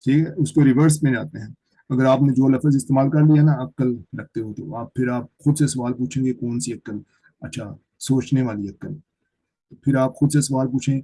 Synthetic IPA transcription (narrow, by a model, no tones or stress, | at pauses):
ʈʰiːkʰɛːʊskoɾɪʋəɾs̬mẽːd͡ʒa̰ːt̪eɦɛ̃ː | ɐɡəɾaːpnẽːd͡ʒoːləfəɾzɪst̪eːmaːlkɐɾlijaɦnaɐkəlɾɐk̚ʰt̪eɦoːt̪eo̰aːp̚pʰɪɾaːp̚xʊd̪sesɐʋaːlpuːt͡ʃʰẽːɡekoːnsiəkːəl | ɐtːʃʰaː | soːt͡ʃneʋaːliəkːəl | t̪opʰɪɾaːpxʊd̪sesɐʋaːlp̬uːt͡ʃʰẽː